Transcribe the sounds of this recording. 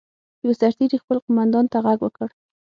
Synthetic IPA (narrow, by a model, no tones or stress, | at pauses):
jawasaɾt̪iɾixpəlqʊmand̪ɑnt̪aɣaɡwəkəɽ